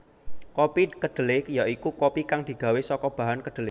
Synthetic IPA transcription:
kopikəɖ̥ə̤lɪhjaʔikukopikaŋd̪̥i̤ɡ̥a̤wesɔkɔb̥ä̤ɦankəɖ̪̥əlɪ

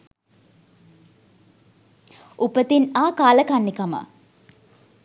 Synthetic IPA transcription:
ʔupət̪inaːkaːləkanːikamə̰

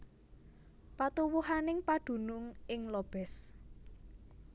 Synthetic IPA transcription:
pat̪uwuɦanɪŋpaɖ̪̥ṳnʊŋɪŋlɔb̥ɛs

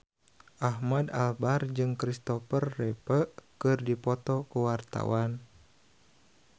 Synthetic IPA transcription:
ʔahmada̰lbard͡ʒɨŋkɾist̪ɔfərːɛpəkɨrdipɔt̪ɔkuwart̪a̰wan

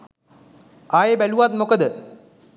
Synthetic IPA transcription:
aːjebɐluʋaːt̪mokɐd̪ɨ

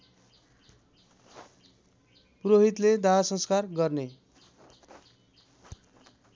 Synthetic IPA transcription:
puɾoɦit̪led̪aɦasʌ̃nskarɡʌrne

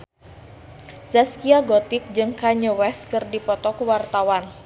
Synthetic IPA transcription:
zaskiaɡɔt̪ɪk̚d͡ʒɨŋkaɲəwɛskɨrdipɔt̪ɔkwart̪awan

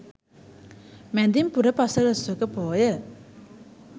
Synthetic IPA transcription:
mɛnd̪impuɾəpasəɾəswəkəpoːjə

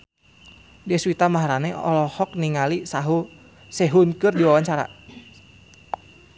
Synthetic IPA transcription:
dɛswit̪amaɦaɾanɛɔ̰lɔhɔk̚niŋalisaɦu | sɛɦunkɨrdiwawaɲt͡ʃaɾa̰

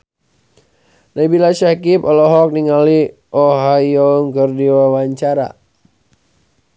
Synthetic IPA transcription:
naibilaʃakipɔlɔɦɔk̚niŋali | ʔoɦajɔŋkərdiwawaɲt͡ʃaɾa̰

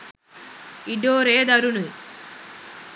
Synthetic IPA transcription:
iɖoːɾeːd̪ɐɾunu

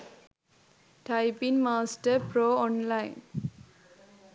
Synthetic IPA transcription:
ʈajpinmaːsʈəɾpɾoːɔnlajn

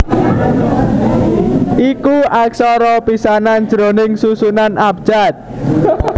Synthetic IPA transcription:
ʔikuʔaksɔɾɔpisanan̥d͡ʒɾo̤nɪŋsusunanʔab̥̚ʒ̥at̪̚

